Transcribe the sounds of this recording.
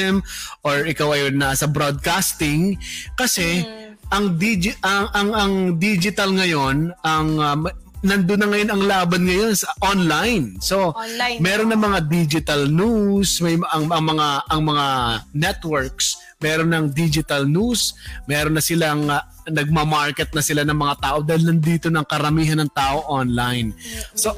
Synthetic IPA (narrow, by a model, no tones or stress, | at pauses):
ɛmʔoɹʔɪkawɐjonːasɐbɾod̪̚kast̪ɪŋkɐsɛ | ʔɐŋd̪id͡ʒɪʔɐŋʔɐŋɐŋd̪iːd͡ʒɪt̪ɐlŋɐjo̞nɐŋ | nɐnd̪ʊnːɐŋɐjo̞nɐŋlaːbɐnŋɐjo̞nsɐʔonlajnso̞mɛːɾo̞nːɐŋmɐŋad̪id͡ʒɪt̪ɐlnusmɐjmɐŋɐŋmɐŋaʔɐŋmɐŋanɛt̪wɛɹk̚s | mɛːɾo̞nɐŋd̪id͡ʒɪt̪ɐlnusmɛːɾonːɐsɪlaʔɐŋɐ | nɐɡ̚mɐmaɹkɛt̪̚nɐsɪlanɐŋmɐŋat̪aːʔo̞d̪aːhɪlnɐnd̪iːt̪o̞nɐŋkɐɾɐmiːɦɐnɐŋt̪aːʔoʔonlajnso